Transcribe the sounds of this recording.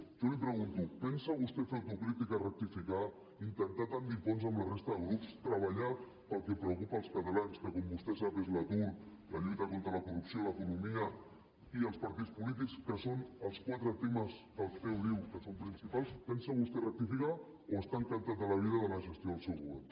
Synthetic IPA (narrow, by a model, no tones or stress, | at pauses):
ʒolipɾəɣ̞unt̪upɛnsəβust̪efeɾt̪ukɾit̪ikarək̚t̪ifika | int̪ənt̪at̪and̪ifonzəmlərest̪əðəɣɾupst̪ɾəβəʎa | pəlˠkɛpɾəwkupəːlˠskət̪alanskəkombust̪esapezlət̪ulˠ | ləʎut̪əkont̪ɾələkurupsioləkunumiə | iəlˠspɐɾt̪it͡spulit̪̬ikskəsonəlˠskwat̪ɾət̪eməzðəlˠst̪ɛwðiwkəsompɾinsipalˠspɛnsəβust̪erək̚t̪ifika | oəst̪aəŋk̪ənt̪at̪ələβ̞iðəðələʒəst̪joðəlˠsɛwɣuβɛ̰r